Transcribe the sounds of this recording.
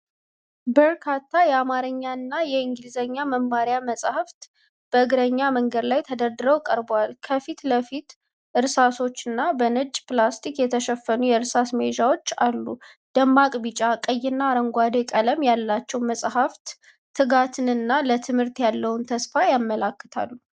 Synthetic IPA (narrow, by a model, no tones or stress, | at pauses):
bəɾkʰat̪ʰːajɛamaɾəɲːanːajɛiŋɡɨlzəɲːaməmːaɾjaməsʼhaft̪ | b̥əɨɡɾəɲːaməŋɡəd̪lajt̪ʰəd̪əɾd̪ɨɾəwkʼəɾbwalkʰəfit̪ləfit̪ | ʔɨɾsaso̞t͡ʃːɨnːabənɨt͡ʃʼːplast̪ʰikjɛt̪ʰəʃɛfːənujɛɨɾsasmed͡ʒawo̞t͡ʃːalːu | d̪̥əmːakʼbit͡ʃʼakʼəjːɪnːaːɾəŋɡʷad̪ekʼələmjalːat͡ʃːɛwməsʼɦaft̪ | t̪ʰːɨɡat̪ʰɨnɨnːalət̪ʰɨmhɨɾt̪jalːəwʊnt̪ʰəsfajamːəlakːət̪ʰa̰lːu